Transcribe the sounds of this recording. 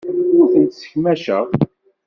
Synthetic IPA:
ʊɾθənt̪sə̥çmæʃəʁ

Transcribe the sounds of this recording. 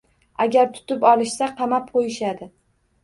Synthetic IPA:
aɡʲaɾt̪ʰʊ̥t̪ɪpɒlˠɪʃsaqʰɑmap̚qʰojɪʃad̪ɪ

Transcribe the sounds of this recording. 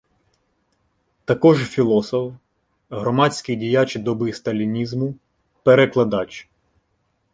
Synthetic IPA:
t̪ɐkɔʒfʲilˠɔsɔf | ɦɾɔmɑt͡sʲkɪjdʲijat͡ʃd̪ɔbɪst̪ɐlʲinʲizmʊ | peɾeklˠɐd̪ɑt͡ʃ

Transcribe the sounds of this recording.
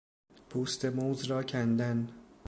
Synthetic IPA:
pʰuːst̪emoːzɾɒːcʰænd̪æn

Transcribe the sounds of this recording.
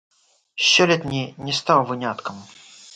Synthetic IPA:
ɕːolʲɛt̪ʲnʲinʲɪst̪awˠvɨnʲat̪kəm

